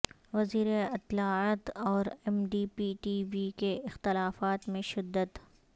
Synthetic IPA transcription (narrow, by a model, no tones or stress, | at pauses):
ʋɐziːɾeɐt̪ːlaːaːt̪ɔːɾɛmɖiːpiʈiːʋikeɪxt̪ɪlaːfaːt̪mẽʃɪd̪ːət̪